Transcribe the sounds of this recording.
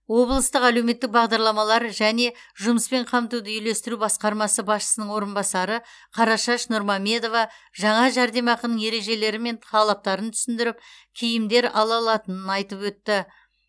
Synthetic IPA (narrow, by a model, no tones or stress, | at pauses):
wo̞blˠəst̪əqælewme̞t̪ːɪk̚bɑʁd̪ɑɾlˠɑmɑlˠɑɾʒæne̞ | ʒʊməspe̞ɴqʰɑmt̪ud̪əʏjle̞st̪ɪɾubɑsqɑɾmɑsəbɑsʃə̥sənəɴwo̞ɾənbɑsɑɾə | qʰɑɾɑʃɑʃnʊɾmɑmʲe̞d̪o̞vɑʒɑɴɑʒæɾd̪e̞mɑqənəŋje̞ɾe̞ʒe̞le̞ɾɪme̞nt̪ʰɑlˠɑp̚t̪ɑɾənt̪ʰʏ̥sɪnd̪ɪɾɪp̚kʲʰejɪmd̪e̞ɾɑlˠɑlˠɑt̪ənənɑjt̪əpwɵt̪ːɪ